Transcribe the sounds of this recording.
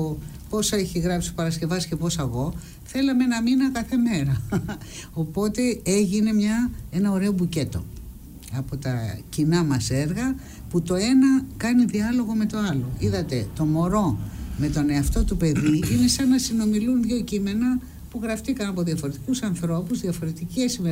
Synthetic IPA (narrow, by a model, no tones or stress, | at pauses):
o | po̞sɐeçiɣɾɐpsi̥pɐɾɐsce̞vɐsce̞po̞sɐɣo̞ | θe̞lɐmeenɐminɐkɐθe̞me̞ɾɐ | o̞po̞t̪e̞e̞ʝine̞mɲɐe̞nɐo̞ɾe̞o̞buce̞t̪o̞ | ɐpo̞t̪ɐ̰cinɐmɐse̞ɾɣɐ | put̪o̞e̞nɐkɐniðiɐlo̞ɣo̞me̞t̪o̞ɐlo̞iðɐt̪e̞t̪o̞mo̞ɾo̞me̞t̪o̞ne̞ɐft̪o̞t̪upe̞ðiine̞sɐnɐsino̞milunðʝo̞cime̞nɐ | puɣɾɐft̪ikɐnɐpo̞ðiɐfo̞ɾe̞t̪i̥kusɐnθɾo̞puzðiɐfo̞ɾe̞t̪iciesime